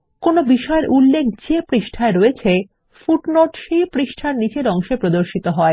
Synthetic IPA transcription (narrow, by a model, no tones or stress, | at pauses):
konobiʃɔeɾʔulːek̚ʰd͡ʑepɾiʃʈʰaeɾoet͡ɕʰe | fuʈnoʈʃejpɾiʃʈʰaɾnit͡ɕeɾɔŋʃepɾod̪oɾʃit̪oɦɔe